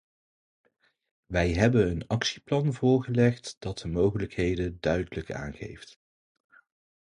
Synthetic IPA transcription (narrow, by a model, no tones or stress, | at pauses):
ʋɛjɦɛbənənɑksiplɑnvʊːɹχəlɛχtd̥ɑt̚dəmowχələkɦejdədœɥdələka̰ːnχḛjft